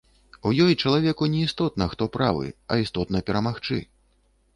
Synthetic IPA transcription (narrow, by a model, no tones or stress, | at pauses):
ujɔjt͡ʂɐlˠavʲɛkunʲɛist̪ɔt̪̚nɐxt̪ɔpɾa̰vɨ̰ɐ̰ist̪ɔt̪nɐpʲɛɾɐmaxt͡ʂɨ̰